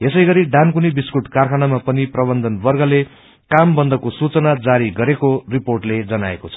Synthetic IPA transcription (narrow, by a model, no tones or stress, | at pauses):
esʌjɡʌɾiɖankunibiskuʈkarkʰanamapʌniprʌbʌnd̪ʱʌnbʌrɡʌle | kambʌnd̪ʌkosut͡sʌnad͡zaɾiɡʌɾekoriporʈled͡zʌnaekot͡sʰʌ̥